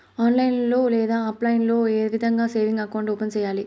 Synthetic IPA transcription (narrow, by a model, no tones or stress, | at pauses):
aːnlɐjnlo̞ːlɛːd̪aːɐplɐjnlo̞ːeːʋid̪ʱɐŋɡaːseːʋiŋɡɐkɐʋɐɳʈuːpɐnt͡ʃɛːjaːli